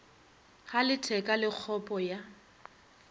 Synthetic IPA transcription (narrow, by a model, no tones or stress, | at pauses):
χalɪtʰɛkʼalɪk͡xʰɔpʼɔja